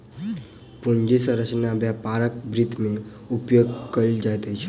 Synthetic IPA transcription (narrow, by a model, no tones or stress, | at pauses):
pund͡ʒisə̃ɾəsʰnabjapaɾəkbɾid̪ʱmẽ | upjoɡkəld͡ʒajt̪əjt͡ʃʰ